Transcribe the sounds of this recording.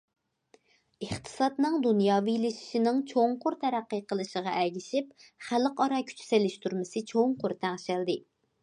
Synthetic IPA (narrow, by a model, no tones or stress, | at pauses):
əχt̪ʰɨ̥sɑt̪nɨŋd̪unjɑːvilɪʃi̥ʃinɪŋt͡ʃʰoŋqʊɾt̪ʰɛɾæqːəqəlˠɨʃəʁɑʔɛɡʲiʃip̚χæləqɑɾɑkʲʰy̥t͡ʃʰy̥selɪʃt̪uɾmɪsɨt͡ʃʰoŋqʊɾt̪ʰæŋʃæld̪ɪ